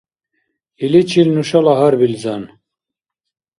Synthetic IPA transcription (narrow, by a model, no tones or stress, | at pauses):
ilit͡ʃʰilnuʃɑlɑɦaɾbilzɑn